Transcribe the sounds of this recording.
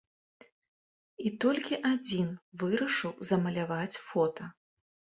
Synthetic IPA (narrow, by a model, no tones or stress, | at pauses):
it̪ɔlʲkʲiʔad͡zʲinvɨɾɐʂɨwzɐmɐlʲavat͡sʲfɔt̪ɐ